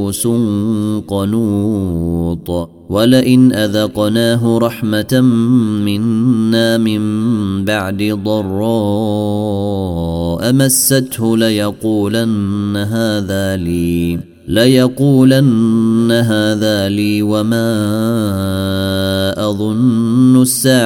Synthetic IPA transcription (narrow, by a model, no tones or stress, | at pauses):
sʊnqɑnuː | t̪ˤ | walɪʔɪnʔaðɑqnaːɦʊɾˤɑħma | mɪnːaːmɪmbaʕd̪ɪd̪ˤɑrˤːɑː | ʔamasːat̪hʊlɪjɑquːlanːaɦaːðaːliː | lajɑquːlanːaɦaːðaːliːwamaː | ʔɑðˤʊnːʊʔsːaː